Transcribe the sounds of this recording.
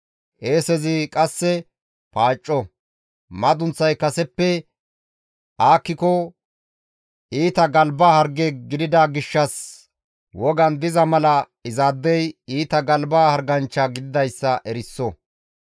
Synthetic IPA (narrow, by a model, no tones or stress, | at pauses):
ʔeːsɛzɪkʼɐsːɛ | paːt͡ʃʼːɔ | mɐd̪ʊnt͡sːɐjkɐsɛpːɛ | ʔaːkːɪkɔ | ʔiːt̪ɐɡɐlbaːhɐɾɡeːɡɪd̪ɪd̪aɡɪʃːɐs | wɔɡɐnd̪ɪzɐmɐlɐ | ɪzaːd̪ːɛjiːt̪ɐɡɐlbaːhɐɾɡɐnt͡ʃːaɡɪd̪ɪd̪ɐjsːɐʔɛɾɪsːɔ